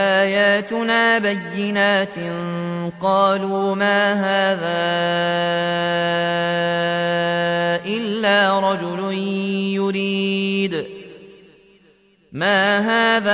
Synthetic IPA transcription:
ʔaːjaːt̪ʊnaːbajːɪnaːt̪nqɑːluːmaːɦaːðaː | ʔɪlːaːɾˤɑd͡ʒʊlʊnjʊɾiːd̪ | maːɦaːða

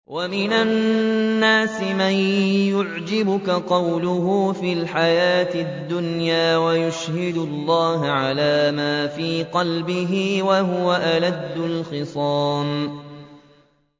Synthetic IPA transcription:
wʔamɪnanːaːsɪmanjʊʕd͡ʒɪbʊkaqɑwlʊɦuːfiːlħajaːt̪ɪd̪ːʊnjaːwajʊʃhɪd̪ʊlˤːɑːɦʕalaːmaːfiːqɑlbɪɦiːwaɦʊwaʔalad̪ːʊlxɨsˤɑːn

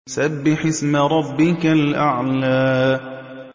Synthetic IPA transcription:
sabːɪħɪsmaɾˤɑbːɪkalʔaʕlaː

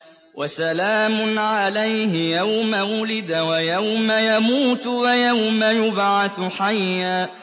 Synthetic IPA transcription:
wʔasalaːmʊnʕalajhɪjawmawʊlɪd̪awajawmajamuːt̪wajawmajʊbʕaθħajːa

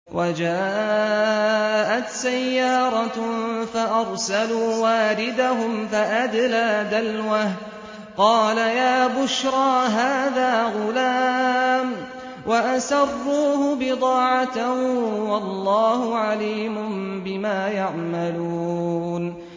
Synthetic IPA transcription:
wʔad͡ʒaː | ʔat̪sajːɑːɾˤɑfaʔɑɾˤsaluːwaːɾɪd̪aɦʊmfaʔad̪laːd̪alwah | qɑːlajaːbʊʃɾˤɑːɦaːðaːɣʊlaːm | wʔaʔasɑrˤːuːhʊbɪd̪ˤɑːʕat̪ahwɑlːɑːhʊʕaliːmʊmbɪmaːjaʕmaluːn

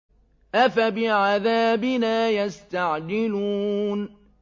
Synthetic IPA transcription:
ʔafabɪʕaðaːbɪnaːjast̪aʕd͡ʒɪlun

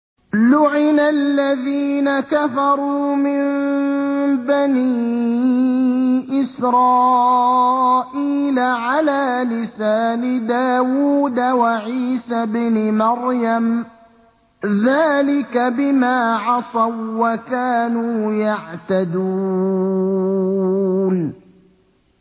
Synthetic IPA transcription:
lʊʕɪnalːaðiːnakafɑɾˤuːmɪm | baniː | ʔɪsɾˤɑː | ʔiːlaʕalaːlɪsaːnɪd̪aːwuːd̪awaʕiːsabnɪmɑɾjam | ðaːlɪkabɪmaːʕɑsˤɑwːakaːnuːjaʕt̪ad̪u | n

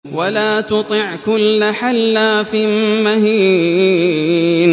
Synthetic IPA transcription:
wʔalaːt̪ʊt̪ˤɨʕkʊlːħalːaːfɪmahiː | n

